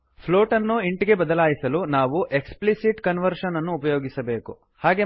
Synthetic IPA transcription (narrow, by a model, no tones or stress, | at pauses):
pʰlo̞ːʈɐnːuiɳʈiɡe̞bɐd̪ɐlaːjisɐlunaːʋuʔe̞ksplisiʈkɐnʋɐɾʂɐnɐnːuːpɐjoːɡisɐbe̞ːku | haːɡe̞